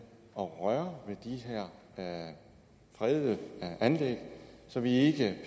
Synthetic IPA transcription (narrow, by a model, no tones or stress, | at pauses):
ɒ̽ʁɶɐʋe̝d̥iɦæɐ̰ | fʁɛðˠəʔænleɡ̥sɒ̽ʋie̝ɡ̥ə